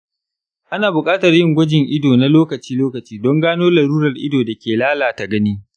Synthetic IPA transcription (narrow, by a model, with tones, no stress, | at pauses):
ʔa˦naː˨bʊ˨kʼaː˦tɐ˨rjɪ˦ŋɡʷɐ˦d͡ʒɪ˨ŋʔɪ˦doː˨na˦loː˦kɐ˨t͡ʃiː˦loː˦kɐ˨t͡ʃiː˦dɔ˦ŋɡaː˦noː˦lɐ˨ɾuː˦ɾɐ˨rʔɪ˦doː˨da˨kʲeː˨laː˦laː˨ta˨ɡɐ˦niː˦